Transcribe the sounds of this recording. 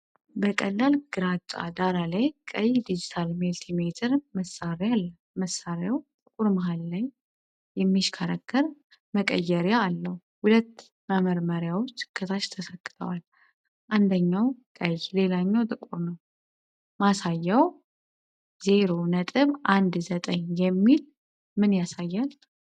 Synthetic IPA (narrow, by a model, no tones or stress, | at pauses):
bəkʼəlːalɡ̥ɨɾat͡ʃʼːa̰d̪aɾalajkʼəjd̪id͡ʒit̪ʰalmilt̪ʰimet̪ʰɨɾməsːaɾjalːə | məsːaɾjawt̪ʼɨkʼuɾmaɦalːaɲ | jɛmːiʃkʰaɾakʰːəɾ | məkʼə̰jːɛɾjaːlːəh | hulət̪ː | məməɾməɾjawot͡ʃːkʰːət̪ʰat͡ʃt̪ʰəsəkʼːɨt̪ʰʼə̰wal | ʔand̪əɲːawkʼəjle̞laɲːawt̪ʼɨkʼuɾnəw | masajːaw | ze̞ɾo̞nət̪ʼɨβʔand̪zət̪ʼəɲjɛmːil | mɨnjasajːal